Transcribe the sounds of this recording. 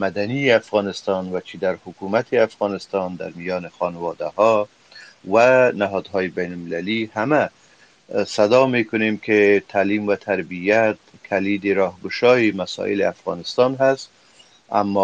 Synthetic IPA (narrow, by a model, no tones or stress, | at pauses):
mad̪anijeafɣɑnɪst̪ɑnwat͡ʃʰid̪aɾhʊkumat̪ʰɪafɣɑnɪst̪ɑnd̪a̰ɾmijɒːnɪxɒnawɒd̪ahɒ | wanaɦɔd̪ɦɔjɪbajnʊlmɪlalihama | sad̪ɒmekʊnemket̪ʰalimwat̪ʰaɾbijat̪̚ | kʰalid̪eɾɒhɡʊʃɒjimasɔ̰ʔɪ̰lɪ̰afɣɑ̰nɪst̪ɑnɦast̪ | a̰mːɔ